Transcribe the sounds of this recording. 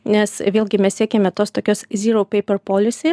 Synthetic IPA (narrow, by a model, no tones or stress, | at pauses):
nʲɛsʋʲeːlʲɡʲɪmʲɛssʲiɛkʲemʲɛt̪oːst̪oːkʲoːszʲiːɾoʊpʲɛɪpʲɛɾpoːlʲɪsʲeː